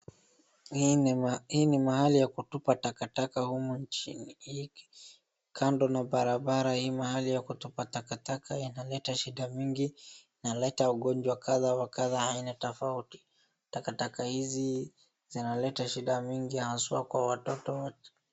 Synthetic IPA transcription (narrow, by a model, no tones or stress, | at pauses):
hhiːnimahalijakutupatakatakahumunt͡ʃḭnii | kʰandɔnaɓaɾaɓaɾahiːmahalijakutupatakatakʰainalɛtaʃiɗamiŋɡi | nalɛtauɠɔnd͡ʒwakʰaðawakaðahainatɔfauti̥ | takatakahizi | zinalɛtaʃiɗamiŋɡijahaswakwawatɔtɔwa